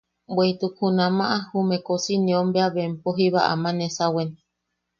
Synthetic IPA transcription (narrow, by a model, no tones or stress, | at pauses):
bweit̪ukʰunãmãʔahumẽkosinĩõmbeaβempoɦiβa̰ʔa̰mãnesawen